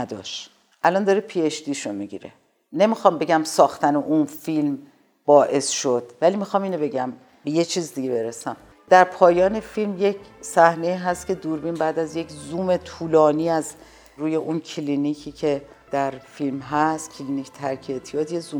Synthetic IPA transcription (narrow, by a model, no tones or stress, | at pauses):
æd̪ɒ̰ʃ | ʔælɒnd̪ɒːɾepʰiːeʃd̪iːʃomiɟḭːɾḛ | ne̞mixɒːmbe̞ɟæmsɒːxt̪ʰæneʔunfilm | b̥ɒːʔe̞sʃod̪̥vælimixɒmiːno̞be̞ɟæm | be̞jet͡ʃʰiːzd̪iɟe̞be̞ɾesæm | d̪̥æɾpʰɒːjɒːne̞filmje̞cʰsæhne̞iːɦæst̪cʰe̞d̪uɾbiːnbæːd̪æzje̞cʰzuːmet̪ʰuːlɒːniːæz | ɾuːje̞ʔunkʰilinicʰiːcʰe̞ | d̪̥æɾfilmɦæst̪cʰlinicʰt̪ʰæɾcʰeet̪ʰijɒːd̪jezuː